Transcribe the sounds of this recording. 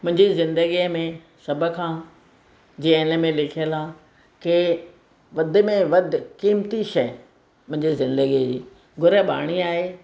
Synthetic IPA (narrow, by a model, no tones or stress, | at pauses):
mʊ̃ɦɪ̃ɲd͡ʑizɪ̃nd̪əɡiəmẽ | sɐbʱə̆kʰãː | d͡ʑiːə̃ɪnə̆mẽlɪkʰijəlãː | kɪ | ʋɐd̪̆ʱmẽʋɐd̪ʱkiːmt̪iʃɐj | mʊ̃ɦɪ̃ɲd͡ʑizɪ̃nd̪əɡid͡ʑiː | ɡʱʊɾəɓa̰ːɽ̃iaːɦeː